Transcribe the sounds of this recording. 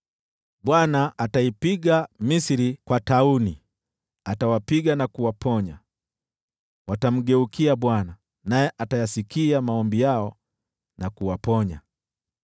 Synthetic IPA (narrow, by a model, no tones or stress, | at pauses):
ɓwanaʔːtaipiɠamisiɾikwatauni | atawapiɠanakuwapʰɔɲa̰ | watam̩ɡɛukʰiaɓwana | najɛʔatajasikiamaɔmbijaɔ | nakuwapɔɲa̰